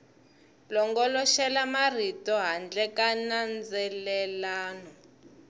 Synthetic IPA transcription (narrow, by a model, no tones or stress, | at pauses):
lɔŋɡɔlɔʃɛlamar̤itɔɦand͡ɮɛkanand͡zɛlɛlaːnɔ